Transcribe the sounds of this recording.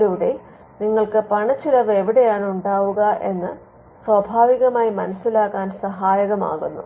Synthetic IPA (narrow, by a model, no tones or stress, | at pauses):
ɾuʋɽe | niŋːɐɭkɨpɐɳɐt͡ɕːilɐʋe̞ʋiɽe̞jaːɳuɳɖaːʋuɣɐʔe̞nːɨ | swɐbʱaːʋiɣɐmaːjimɐnɐsːilaːkːaːnsɐɦaːjɐɣɐma̰ːɣunːṵ